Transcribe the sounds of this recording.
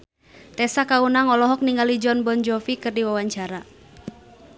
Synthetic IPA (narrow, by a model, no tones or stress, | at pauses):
t̪ɛsakaunaŋɔlɔɦɔk̚niŋɡalid͡ʒɔnbɔnd͡ʒɔfikɨrdiwawaɲt͡ʃaɾa